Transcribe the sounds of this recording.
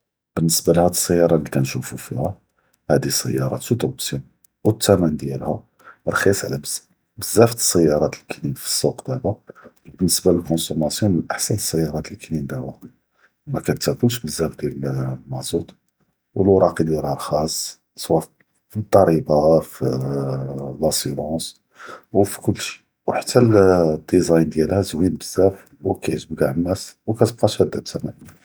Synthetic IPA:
b̥ənːəsbalhæd̪əsˤːəjːɑɾˤɑlikænʃufufḭhæ | hæd̪isə̰jːɑ̰ɾˤɑ̰t̪ud̪obsin | wət̪ːæmænd̪jæ̰lhæ | ɾˤxisˤʕlæbəz | bəzːæft̪ə̥sˤːəjːɑɾˤɑt̪əlkninfi̥sˤːuqd̪æba | bənːəsbaləlkonsumæsjunmənʔəħsænəsˤːəjːɑɾˤɑt̪əlknind̪æwh | mækænt̪ækulʃ̬bəzːæfd̪jæləllmɑʕzut̪ˤ | wəlwɾˤɑqid̪ɾɑɾxɑsˤː | sˤwɑ | fit̪ˤːɑɾibɑfi | læsyɾˤɑ̃s | wfi̥kʊlːʃi̥ | wħḁt̪ʰːæld̪ːizɑjnd̪jælhæzwinbəzːæf | wkæʕt̪bɡaʕənːæswkæt̪əb̚qɑʃhæd̪ːæb̚t̪ʰːæmæ

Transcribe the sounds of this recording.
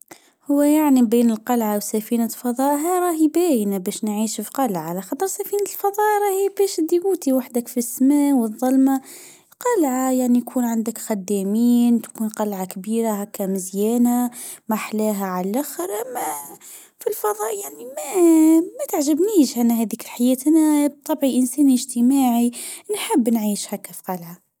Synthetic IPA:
hʊwːæjaʕnibiːnəlqɑlʕawsæfiːnalfɑðˤɑːʔɦæɾˤɑːɦibæːjnabæːʃnʕiːʃfiqɑlʕalæxɑt̪ˤəɾˤsæfiːnat̪lfɑðˤɑːʔɾˤɑhijːbæːʃd̪ːiwuːt̪iwaħd̪ækfisːmæːʔwɨðˤːɑlma | qɑlʕajaʕnijkʰuːnʕand̪əkxæd̪ːæmiːnt̪ḁkuːnqɑlʕakbiːɾahækːæmɪzjæːnamaħlæːɦæʕalʔaxəɾʔamːæ | filfɑðˤɑːʔjaʕnimæmæt̪əʕʒəbniːʒʔænːæhæd̪iːklħajɛːt̪ʔænæb̚t̪ˤːɑbʕiʔənsæːniʒt̪əmaːʕinħəbːnʕiːʃhækːæfi̥qɑlʕa

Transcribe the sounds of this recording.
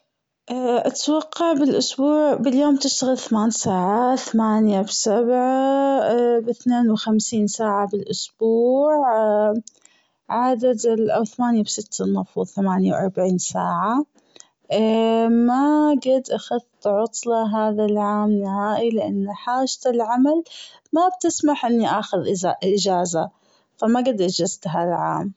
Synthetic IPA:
ʔʔat̪wɑqːɑʕbɪlʔʊsbuːʕbɪljoːmt̪ɪʃt̪aɣɪlθamaːnsaːʕaθamaːnjabsabʕa | bɪθneːnwxamsiːnsaːʕabɪlʔʊsbuːʕ | ʕad̪ad̪lʔawθamaːnjabsɪt̪ːanːɑfuːðˤθamaːnjawʔɑ̰ɾˤbaʕiːnsaːʕa | maɡad̪ʔaxaðt̪ʕʊt̪ˤlɑɦaːðalʕaːmnɪhaːʔilɪʔanːħaːʒt̪ɪlʕamal | mab̚t̪ɪsmaħʔɪnːiʔaːxʊðʔɪd͡ʒaːza | famaɡɪd̪ʔɪd͡ʒɪzt̪ɦaːðalʕa̰ːm

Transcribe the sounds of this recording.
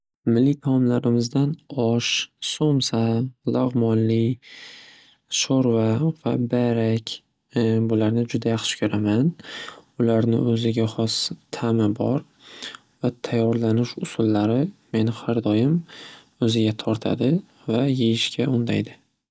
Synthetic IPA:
mɪlːɪt̪ʰmlaɾɪmɪzd̪anɒʃsomsalˠɑʁmɒnlɪ | ʃoɾvavabaɾakʲ | bʊlaɾnɪd͡ʒʊd̪ajɑχʃɪ̥kʲʰɵɾamanʊlaɾnɪ̰ɵzɪɡʲaχɒst̪ʰamɪbɒ̰ɾ | vat̪ʰajːɒɾlanɪʃʊsʊlˠːaɾɪme̞nɪhaɾd̪ɒjɪm | ɵzɪɡʲat̪ʰɒɾt̪ʰa̰d̪ɪ | vajejɪʃkʲʰaʊnd̪a̰jd̪ɪ

